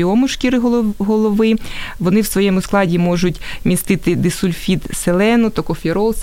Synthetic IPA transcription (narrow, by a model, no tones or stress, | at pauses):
iɔmʊʃkʲiɾɪɦˠɦɔlˠɔʋɪʋɔnɪwsʋɔjɛmʊsklˠɑdʲimɔʒʊtʲmʲist̪ɪt̪ɪd̪ɪsʊlʲfʲit̪selˠɛnɔt̪ɔkɔfʲiɾɔlˠs